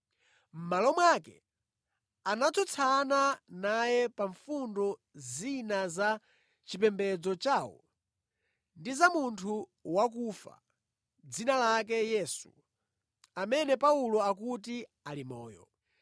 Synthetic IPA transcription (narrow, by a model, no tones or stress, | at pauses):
m̩malɔmwakɛ̰ | anat͡sʰɔt͡sʰananajɛpaɱfundɔ | zinaza | t͡ʃipɛmbɛd͡zɔt͡ʃaːwɔ̰ | ndizamuntʰuwak̬ufa̰ | d͡zinalak̬ɛjɛːsṵ | amɛnɛpaulɔakuti | alimɔ̰ːjɔ̰